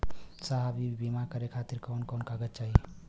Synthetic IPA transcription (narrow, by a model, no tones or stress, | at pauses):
saɦabibimakəɾekʰat̪iɾkawnkɔnkaɡət̪̚t͡ʃaɦi